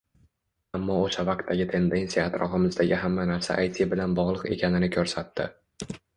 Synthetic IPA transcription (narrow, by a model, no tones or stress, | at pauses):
amːɒoʃavaq̚t̪ʰːaɡʲɪt̪ʰe̞nd̪e̞nsijaaːt̪ɾɒ̰fɪmɪzd̪aɡʲɪɦamːanaɾsa̰ʔajt̪ʰɪbɪlanbɒʁlˠɨqe̞̰kʲʰanɪnɪkʲʰɵɾsat̪ʰːɪ